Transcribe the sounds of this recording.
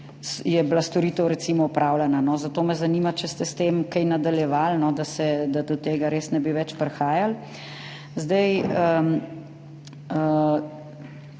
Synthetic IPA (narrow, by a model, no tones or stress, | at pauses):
sjɛblast̪ɔɾiːt̪əwɾɛt̪simɔɔpɾawlananɔzat̪oːmɛzaniːmat͡ʃɛst̪ɛst̪eːmkɛjnad̪aljɛʋalnɔd̪asɛd̪ad̪ɔt̪eːɡaɾeːsnɛbiʋɛt͡ʃpɾɛxaːjal | zd̪ɐjə